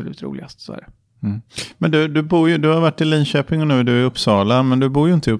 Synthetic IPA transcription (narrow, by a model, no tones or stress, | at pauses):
ɔlʉ̟ːt̪ɾṵːlɪ̰ɡast̪sɔ̰æ̰ːɖɛ | mːmɛnd̪ɵd̪ɵbuːɾjɵd̪ɵhaɾvaʈːɪliːnɕøːpɪŋɔnʉ̟ːd̪ɵæɵpːsɑːlanmɛnd̪ɵbuːɾjɵɪnt̪əɵp